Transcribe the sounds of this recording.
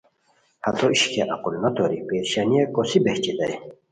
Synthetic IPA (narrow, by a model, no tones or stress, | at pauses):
hɐt̪ʰoiɕkeʔɐqulnɐt̪oɾipeːɾɕanijekosibeht͡ɕit̪ɐj